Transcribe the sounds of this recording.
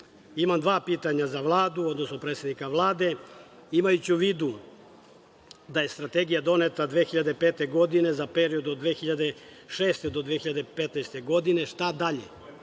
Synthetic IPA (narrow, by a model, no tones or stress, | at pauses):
imamd̪ʋaːpiːt̪aɲazaʋlˠaːd̪uo̞d̪nosno̞pɾet̪senikaʋlˠaːd̪e̞imajut͡ɕiuʋiːd̪u | d̪aje̞st̪ɾat̪e̞ɡijad̪o̞ne̞t̪ad̪ʋeːxiʎad̪epeːt̪e̞ɡo̞d̪ine̞zape̞ɾio̞d̪od̪ʋeːxiʎad̪e̞ | ʃeːst̪ed̪o̞d̪ʋexiʎad̪epet̪najst̪e̞ɡo̞d̪ine̞ʃt̪ad̪aʎḛ